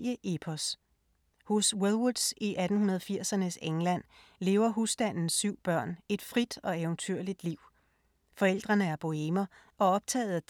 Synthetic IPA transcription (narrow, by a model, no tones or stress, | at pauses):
əʔepʰɒs | hoswelwud̥siʔæd̥n̩hunɐð̞̩ˠfiɐ̰sɐnəseŋlæn̰ | le̝ːʊɐɦusd̥æn̰n̩sːyʊ̰b̥ɶɐ̰ne̝d̥fʁid̥ɒ̽eʊnt͡sʰyɐ̰lid̥liʊ̰ | fɒ̽el̰d̥ʁɐnəæɐb̥ʰo̝emɐ | ʔɒ̽ɒ̽b̥̚t͡sʰɛ̰ːð̩ˠæ̥